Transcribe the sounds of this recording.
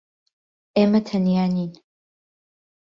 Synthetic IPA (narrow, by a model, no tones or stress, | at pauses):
ʔeːmɐt̪ʰɐnjaːniːn